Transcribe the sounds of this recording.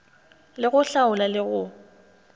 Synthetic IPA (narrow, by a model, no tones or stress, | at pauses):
lɪɣʊɬaʊlalɪɣʊ